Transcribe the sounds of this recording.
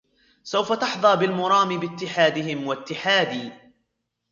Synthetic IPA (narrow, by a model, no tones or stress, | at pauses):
sawfat̪ɑħðˤɑːbɪlmʊɾˤɑːmɪbɪt̪ːɪħaːd̪ɪɦɪmwat̪ːɪħaːd̪iː